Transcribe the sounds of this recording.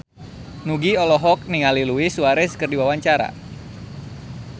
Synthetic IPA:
nuɡiɔlɔɦɔk̚niŋaliluisuaɾɛskərdiwawaɲt͡ʃaɾa̰

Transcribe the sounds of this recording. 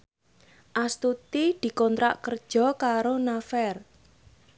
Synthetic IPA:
ʔast̪ut̪id̪̥i̤kɔnt̪ɾa̰ʔkərd̥ʒ̥ɔ̤kaɾonafɛr

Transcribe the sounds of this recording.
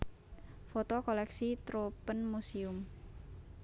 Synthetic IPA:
fot̪ɔkolɛksit̪ɾopənmusiʊm

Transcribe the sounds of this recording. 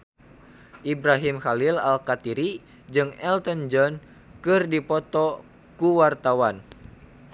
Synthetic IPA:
ʔibɾaɦimxalilalkat̪iɾi | d͡ʒɨŋɛlt̪ənd͡ʒɔn | kɨrdipɔt̪ɔ | kuwart̪awan

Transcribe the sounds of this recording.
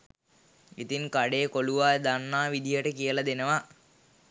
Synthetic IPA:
ḭt̪iŋkaɖeːkoluʋaːjəd̪anːaːʋid̪ijəʈəkijəlɐd̪enəʋa

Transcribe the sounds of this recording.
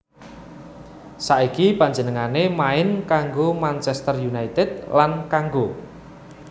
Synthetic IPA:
saʔikipaɲd͡ʒənəŋanemaɪnkaŋɡomant͡ʃɛst̪ərjunajt̪ɪd̪̚lankaŋɡo

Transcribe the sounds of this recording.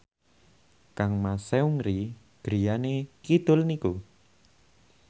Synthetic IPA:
kaŋmaseuŋɾi | ɡ̥ɾijanekid̪̥ʊ̤lniku

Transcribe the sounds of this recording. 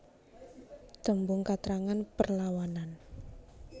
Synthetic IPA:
d̪̥ə̤mbʊŋkat̪ɾaŋanpərlawanan

